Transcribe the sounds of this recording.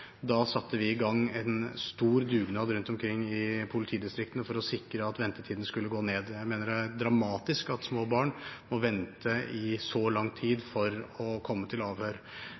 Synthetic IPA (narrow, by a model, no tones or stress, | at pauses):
d̪ɑsɑt̪ːəʋɪɪɡɑŋːɛnst̪uːɾd̪ʉːɡnɑːd̪ɾʉnt̪ɔmkʰɾɪŋːɪpʰʊlɪt̪ʰiːd̪ɪst̪ɾɪkt̪ənəfɔɾɔsɪkɾəɑt̪ʋɛnt̪ət̪ʰiːd̪n̩skʉlːəɡoːneːd̪jæɪmeːnəɾæd̪ɾɑmɑːt̪ɪskɑt̪smoːbɑːɳmɔʋɛnt̪əɪsɔlɑŋːt̪ʰiːd̪fɔɾɔkʰɔmːət̪ʰɪlɑːʋhøːɾ